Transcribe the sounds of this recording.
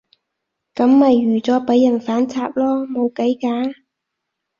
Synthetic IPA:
kɐ˨˥mːɐ˨jːyː˨˩t͡sɔː˨˥pɐ˨˥jːɐ˨˩nfaː˨˥nt͡sʰaː˧p̚lɔː˥mo˨˧wkɐ˨˥jkaː˨˥

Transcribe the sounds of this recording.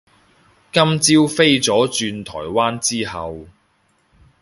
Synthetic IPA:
kɐ˥mt͡siː˥wfe˥jt͡sɔː˨˥t͡ʃyː˧nt̪ʰɔ̰ː˨˩jwaː˥nt͡siː˥hɐ̰˨w

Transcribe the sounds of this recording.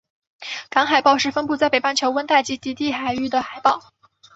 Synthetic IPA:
kɑ˧˥ŋxa˨˩ɪpɑ˥˧ʊʂɻ̩˥˩fə˥npu˥˧t͡sa˥˩ɪpe˨˩ɪpa˥nt͡ɕʰjo˧˥ʊwə˥nt̪a˥˩ɪt͡ɕi˧˥t̪i˧˥t̪i˥˩xa˨˩ɪy˥˩d̪ə˩xa˨˩ɪpɑ˥˩ʊ

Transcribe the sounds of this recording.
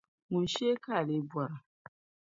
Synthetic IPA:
ŋʊ˨n̩˨ʃi˦e˦ka˦˨le˦bwa˨ɾa˨

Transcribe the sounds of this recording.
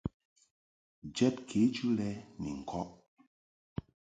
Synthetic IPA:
d͡ʒɛ˦t̚kʰe˨˦d͡ʒu˦lɛ˦nḭ˨ŋ̩˨kʰɔ˦ʔ

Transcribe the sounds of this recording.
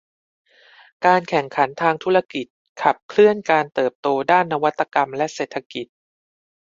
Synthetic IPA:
kaː˧nkʰɛ˨˩ŋkʰa˩˦nt̪ʰaː˧ŋt̪ʰu˦˥ɾa˧ki˨˩t̪̚ | kʰa˨˩p̚kʰlɯ˥˩ənkaː˧nt̪ɤː˨˩p̚t̪oː˧daː˥˩nːa˧wa˦˥t̪ːa˧ka˧mlɛ˦˥ʔseː˨˩t̪ʰːa˧ki˨˩t̪̚

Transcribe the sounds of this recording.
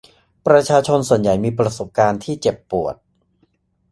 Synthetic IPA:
pɾa˧t͡ɕʰaː˧t͡ɕʰo˧nsu˨˩ənja˨˩jmiː˧pɾa˧so˨˩p̚kaː˧nt̪ʰiː˥˩t͡ɕe˨˩pːu˨˩ət̪̚

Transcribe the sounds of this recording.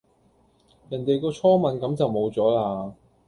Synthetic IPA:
jɐ˨˩nt̪e˨jkɔː˧t͡sʰɔː˥mɐ˨nkɐ˨˥mt͡sɐ˨wmo˨˧wt͡sɔː˨˥laː˧

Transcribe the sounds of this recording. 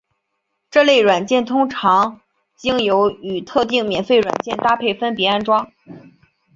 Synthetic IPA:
ʈ͡ʂɤ˥˧le˥˩ɪɻwa˨˩nt͡ɕjɛ˥˩nt̪ʰʊ˥ŋʈ͡ʂʰɑ˧˥ŋ | t͡ɕi˥ŋjo˧˥ʊy˨˩t̪ʰɤ˥˧t̪i˥˩ŋmjɛ˨˩nfe˥˩ɪɻwa̰˨˩nt͡ɕjɛ˥˩nt̪a˥˧pʰe˥˩ɪfə˥npjɛ˧˥a˥nʈ͡ʂwɑ˥ŋ

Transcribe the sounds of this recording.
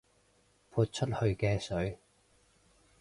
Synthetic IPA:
pʰuː˧t̚t͡ʃʰɵ˥t̚hɵ˧ɥkɛː˧sɵ˨˥ɥ

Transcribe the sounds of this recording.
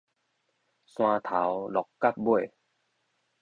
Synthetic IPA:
sw̃ãː˧t̪ʰa˨˦wlɔ˨˩˦kkːa˥˨p̚bu˥˩ə˨j

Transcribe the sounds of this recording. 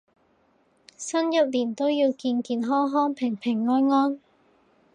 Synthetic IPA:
sɐ˥njɐ˨˥p̚liː˨˩nt̪o˥wjiː˧wkiː˧nkiː˧nɦɔː˥ŋɦɔː˥ŋpʰɪ˨˩ŋpʰɪ˨˩ŋːɔː˥nŋɔː˥n

